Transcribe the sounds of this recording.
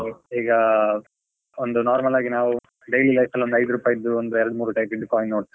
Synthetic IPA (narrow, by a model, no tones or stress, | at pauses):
iːɡɐ | ɔnd̪ɯnaːɾmɐlaːɡinaːʋ | ɖelilɐɪfɐlʋɔnd̪ɐɪðɯɾupaːjɪd̪ɯɔnd̪ɯɛɾɐɽɯmuːɾɯʈɐɪpɪɖɯkːaːɪ̃noːʈ